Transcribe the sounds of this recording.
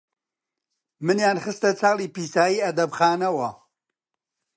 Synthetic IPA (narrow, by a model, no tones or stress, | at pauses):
mɨnjaːnxɨst̪ɐt͡saːliːpiːsaːjiːɐd̪ɐbxaːnɐwɐ